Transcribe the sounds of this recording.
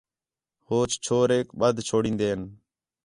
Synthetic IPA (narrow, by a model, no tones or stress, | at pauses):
hoːt͡ʃt͡ʃʰoːɾeːkɓəd̪ʱt͡ʃʰoːɽĩːnd̪eːn